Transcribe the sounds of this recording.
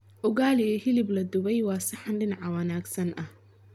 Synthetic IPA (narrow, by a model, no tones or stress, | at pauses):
ʔʊɣaːlɪɛhɪlɪblɐd̪ʊβɛjwɑːsɪħanɖɪnaʕɐwɐnaːɡsɐnʔɐh